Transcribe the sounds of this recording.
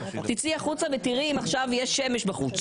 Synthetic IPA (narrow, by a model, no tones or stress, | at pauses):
t̪it͡siaχut͡savet̪iʁimaχʃavjeʃemeʃbaχut͡s